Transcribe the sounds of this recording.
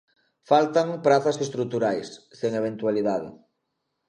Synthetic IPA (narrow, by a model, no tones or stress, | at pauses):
falt̪aŋpɾaθɐsest̪ɾut̪uɾajsːeŋeβ̞ent̪waliðaðɪ̰